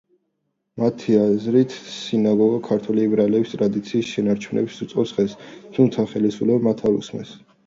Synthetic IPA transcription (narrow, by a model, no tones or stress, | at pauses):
mat̪ʰiazɾit̪ʰsinaɡɔɡakʰaɾt̪ʰwɛliɛbɾalɛbist̪ʼɾad̪it̪sʰiːsʃɛnaɾt͡ʃʰunɛ̰bsut̪sʼɔsʁɛst̪ʰumt̪sʰaχɛlisulɛbmat̪ʰaɾṵsmɛ̰s